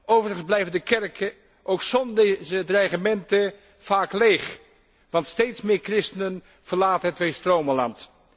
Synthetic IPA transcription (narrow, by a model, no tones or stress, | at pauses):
ʔowvərəɣənzblɛjvəndəkɛrkʰə | ʔowksɔndzədrajχəmɛntə | faːklejχ | ʋɑntstejtsmɪːɹkrɪstənən | v̥əɹlaːtənɦətʋeːstrowməlɑ̰nt